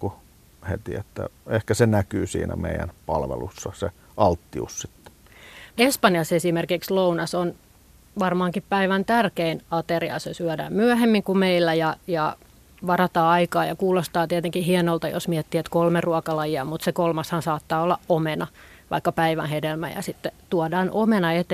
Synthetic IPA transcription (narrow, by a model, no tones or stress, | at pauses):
ku | hḛt̪iet̪ːæ̰ehkæsenækyːsḭːnæ̰meijæ̰npɑlʋelusːɑse | ʔɑlt̪ːiṵssit̪ːe̥ | espɑnjɑsesimerkikslounɑson | ʋɑrmɑːŋkippæiʋænt̪ærkeinɑt̪eriɑ̰sesyædæ̰ːmmyæhemːiŋkumeilːæjɑjɑ | ʋɑrɑt̪ɑːɑikɑːjɑkuːlost̪ɑːt̪iɛt̪eŋkihiɛnolt̪ɑjo̰smiɛt̪ːiːet̪kolmeruɑkɑlɑjiɑmut̪sekolmɑshɑnsɑːt̪ːɑːolːɑʔomenɑ | ʋɑ̰ikːɑpæiʋæ̰nhedelmæ̰jɑ̰sit̪ːet̪uɔdɑːnʔomenɑet̪